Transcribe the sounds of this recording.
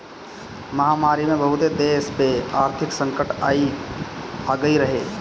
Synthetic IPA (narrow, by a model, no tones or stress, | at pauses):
məɦaːmaːɾimẽbəɦʊt̪ed̪eːspeaːɾt̪ʰɪksə̃ŋkəʈai | aɡəiɾəɦeː